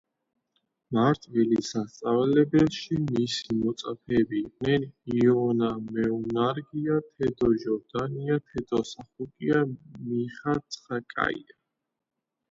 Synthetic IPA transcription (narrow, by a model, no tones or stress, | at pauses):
maɾt̪ʼvilisast̪sʼavlɛbɛlˠʃimisimɔt̪sʼapʰɛːbiːqʼnɛniɔnamɛunaɾɡiat̪ʰɛd̪ɔʒɔɾd̪aniat̪ʰɛd̪̥ɔsaχukʼiamiχat̪sʼχakʼa̰ḭa